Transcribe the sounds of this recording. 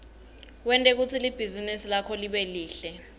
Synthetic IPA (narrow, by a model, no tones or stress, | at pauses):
wɛntʼɛk̬ut͡sʰilib̥ʱizinisilakʰɔliɓeliːɬɛ